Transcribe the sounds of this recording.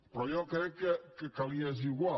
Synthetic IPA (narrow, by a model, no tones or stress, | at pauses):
pɾɔjɔkɾɛkekekaliaziɣwa